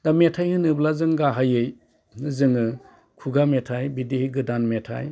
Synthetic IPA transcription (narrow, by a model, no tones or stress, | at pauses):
dametʰajhɯnɯblazɯŋɡaɦajɯj | ɯzɯŋɯ | kʰuɡametʰajbidehiɡɯdanmetʰa̰j